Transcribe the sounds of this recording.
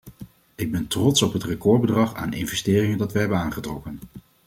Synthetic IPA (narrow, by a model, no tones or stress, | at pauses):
ɪɡ̚bɛntrɔtsɔpɦətrəkɔɹbədrɑχa̰ːnɪ̰nvɛsteːrɪŋəndɑtʋɛɦɛbənaːnχətrɔkən